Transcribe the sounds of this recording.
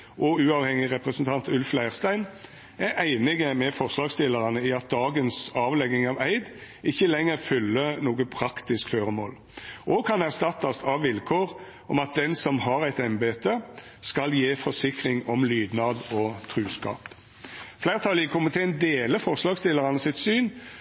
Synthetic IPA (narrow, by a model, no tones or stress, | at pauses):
ʔɔʉːɑːʋhɛŋɪʁɛpʁəsənt̪ʰɑnt̪ʉlflæɪʁst̪æɪn | æɾæɪnɪɡəmɛfɔʁslɑːɡst̪ɪlːəʁɑnəiɑt̪̚d̪ɑːɡənsɑːʋlɛɡɪŋɑːʋæɪd̪ | ɪçːəlɛŋːəʁfʏlːənoːɡəpʰʁɑkt̪ɪskføːʁəmo̰ːl | ʔɔkʰɑnæʁst̪ɑt̪ːɑst̪ɑʋʋɪlkʰoːʁ | ɔmɑt̪̚d̪ɛnsɔmhɑɾæɪt̪ɛmbeːt̪ə | skɑljeːfɔʂɪkʁɪŋɔmlyːd̪nɑd̪ɔt̪ʰɾʉːskɑ̰ːp | flæɪʁt̪ʰɑlɪkʰʊmɪt̪ʰend̪eːləfɔʁslɑːɡst̪ɪlːəʁɑnəsɪt̪syːn